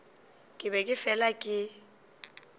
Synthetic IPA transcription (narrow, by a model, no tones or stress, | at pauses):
kʼɪbɛkʼɪfɛlakʼɪ